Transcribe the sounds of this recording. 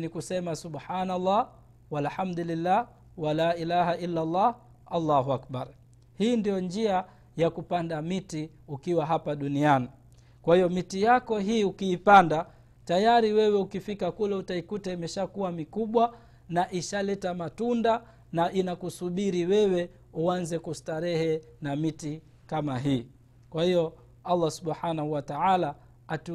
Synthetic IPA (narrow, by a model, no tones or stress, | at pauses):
nikusɛmasuɓħaːnalːɑː | walħamd̪ulilːaː | walaːʔilaːɦaʔilːalːɑːh | alːaɦuak̚baɾ | hiːndijɔnd͡ʒia | jakupandamiti | ukiwaɦapaɗuniani | kwahijɔmitijakɔɦiːukiːpanda | tajaɾiwɛwɛukifikakulɛutaikutaimɛʃakuwamikuɓwa | naʔiʃalɛtamatunda | naʔinakusuɓiɾiwɛwɛ | uanzɛkustaɾɛhɛnamiti | kamaɦiː | kwahijɔ | alːasuɓħanahuwataʕala | atu